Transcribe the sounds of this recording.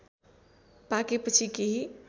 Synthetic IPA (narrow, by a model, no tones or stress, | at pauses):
pakipət͡ʃʰikeɦi